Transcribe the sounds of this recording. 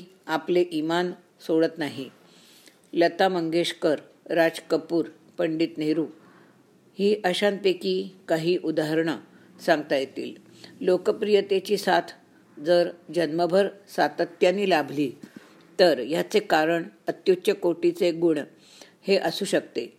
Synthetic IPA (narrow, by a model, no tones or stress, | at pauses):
apleʔiman | soɽət̪naɦi | lət̪aməŋɡeʂkəɾ | ɾad͡zkəpuːɾ | pəɳɖiːt̪neɾuː | hiːʔəɕanp̪ekiːkaɦiːʔud̪aɦəɾɳə | saŋɡt̪ajet̪ḭːl | lokəpɾijət̪et͡ɕiːsat̪ʰ | d͡zəɾd͡ʑənməbʱəɾsat̪ət̪janiːlabʱliː | t̪əɾjat͡sekaɾəɳət̪jut͡ɕəkoʈit͡seɡuɳ | heʔəsuːɕək̚t̪e